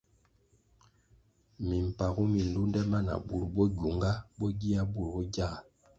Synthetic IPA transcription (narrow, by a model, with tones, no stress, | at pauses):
mi˨m̩˨pa˨ɣu˦mi˨n˨du˦ndɛ˦ma˦na̰˨bu˦˨ɾbɔ˦ɟu˨ŋɡa˦bɔ˦ɡi˦a˦bu˦˨ɾbɔ˦ɟa˦˨ɣa˨